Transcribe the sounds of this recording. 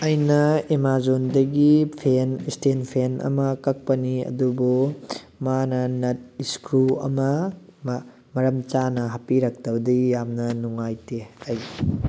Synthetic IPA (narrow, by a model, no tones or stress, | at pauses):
ɐjnɐemazondɐɡipʰenistenpʰenʔɐ̰mɐkɐk̚pɐniɐ̰dubu | manɐnɐt̚iskɾuɐ̰mɐm | mɐɾɐmt͡ʃanɐɦɐpiɾɐk̚tɐwdijamnɐnuŋajteɐj